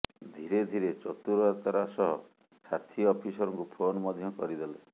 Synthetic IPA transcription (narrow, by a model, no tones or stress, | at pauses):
d̪ʱiɾed̪ʱiɾet͡ʃɔt̪uɾaɾt̪ɔɾasɔɦɔ̰ | sat̪ʰiɔpʰisɔɾɔŋkupʰonmɔd̪ʱjɔkɔɾid̪ele